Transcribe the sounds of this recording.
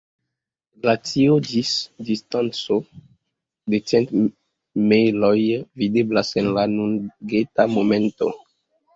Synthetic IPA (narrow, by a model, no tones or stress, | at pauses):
lat͡siod͡ʒisdistant͡so | det͡sent | mejlojvideblasenlanuŋɡetamomẽnto̰